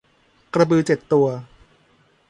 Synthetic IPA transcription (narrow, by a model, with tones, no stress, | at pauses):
kɾa˧bɯː˧t͡ɕe˨˩t̪ːu˧ɐ